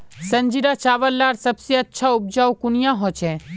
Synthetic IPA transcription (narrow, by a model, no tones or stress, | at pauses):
sə̃nd͡ʒiɾat͡ʃaːʋəlːaːɾsɐbsiətːʃʰaʊb̚d͡ʒaːukʊnɪjãɦot͡ʃʰẽ